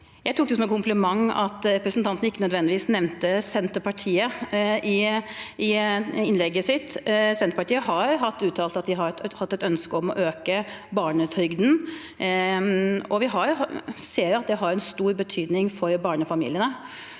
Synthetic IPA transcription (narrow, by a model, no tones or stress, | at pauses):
jæɪt̪ʰuːk̚d̪ɛsɔmɛkʰʊmplɪmɑŋːɑ̰t̪ɾɛpɾəsn̩t̪ʰɑnt̪nəɪkːənœd̪ʋɛnd̪ɪʋiːsnɛʋnt̪əsɛnt̪əpɑʈʰiːəʔɪɪɪnlɛɡːəsɪt̪ːsɛnt̪əɾpɑʈiːəɦɑɾɦɑt̪ːʉːt̪ʰɑːlt̪ɑt̪̚d̪ɪɦɑɾhɑt̪ːɛt̪œnskəɔmɔ̰ʔøːkəbɑːɳət̪ʰɾʏɡd̪n̩ | ɔʋɪɦɑɾseːɾɑt̪̚d̪ɛɦɑɾɛnst̪uːɾbət̪ʰyːd̪nɪŋfɔɾbɑːɳəfɑmḭlɪənə